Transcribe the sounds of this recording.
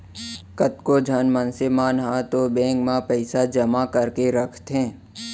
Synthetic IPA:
kət̪kod͡ʒʱənmənsemaːnɦãt̪obẽːkmãpəɪsad͡ʒəmakəɾkeɾəkʰt̪ɦɛ̃ː

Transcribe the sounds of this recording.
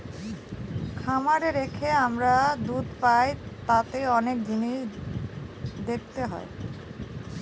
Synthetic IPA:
kʰamaɾeɾekʰeamɾad̪ud̪pajt̪at̪eɔnek̚d̪ʱinej | d̪ek̚ʰt̪eɦɔ̰e

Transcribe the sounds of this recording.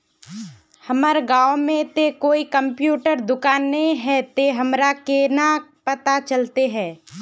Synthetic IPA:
hɐməɾɡaːʋmẽt̪ekoːikə̃mpjuːʈəɾd̪ʊkaːnːeĩɦɛt̪eɦɐmɾakenapət̪at͡ʃəlt̪eɦɛ̃ː

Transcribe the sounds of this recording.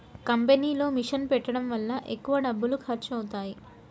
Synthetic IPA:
kɐmpeniːlo̞ːmiʂɐnpɛʈːɐɽɐmʋɐlːɐʔekːuʋɐɖɐbːulukʰɐɾt͡ʃɐwut̪aːji

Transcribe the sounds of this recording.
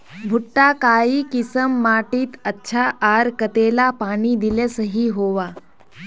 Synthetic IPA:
bʱuʈːakaiːkisəmːaʈiːt̪ətːɕʰaʔaɾkət̪elapaːɽ̃iːd̪ilesəɦiːɦoʋa

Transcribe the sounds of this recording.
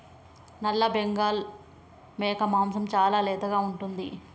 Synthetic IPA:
nɐlːɐbeŋɡaːl | mɛːkɐmaːmsɐmt͡ʃaːlaːlɛːt̪ɐɡaːuɳʈund̪ḭ

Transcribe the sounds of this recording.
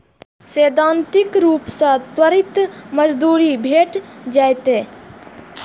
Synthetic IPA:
seːd̪ãːnt̪ɪkɾuːpsãt̪wəɾɪt̪məd͡ʒd̪uːɾibʱeːʈd͡ʒaːjt̪eː

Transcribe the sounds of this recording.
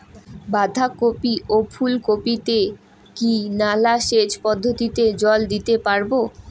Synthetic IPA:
bad̪ʱakopiʔopʰulkopit̪e | kinalaʃet͡ɕpɔd̪ʱːot̪it̪ed͡ʑɔld̪it̪epaɾbo

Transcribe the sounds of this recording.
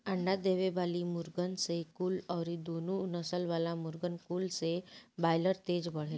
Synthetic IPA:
əɳɖad̪eʋebalimuɾɡənsekuːlawɾid̪onunəsəlʋalamuɾɡənkuːlsebajləɾt̪ed͡zbə̤el

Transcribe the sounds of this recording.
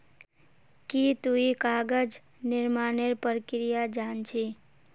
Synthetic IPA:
kit̪uikaːɡəd͡ʒ | nɪɾmaːneɾpəɾkɾijad͡ʒaːnt͡ʃʰi

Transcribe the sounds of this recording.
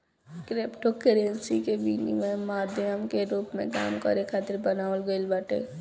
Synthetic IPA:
kɾeːpʈokeɾensikebiːnḭmẽmaːd̪ʱəmkeɾuːpmḛ̃ka̰ːmkəɾekʰat̪ɪɾbənaːʋəlɡəlbəʈḛː

